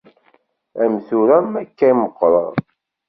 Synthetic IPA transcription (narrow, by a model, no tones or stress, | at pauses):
æmθuɾæmækːæiməqːɾˤə̰ð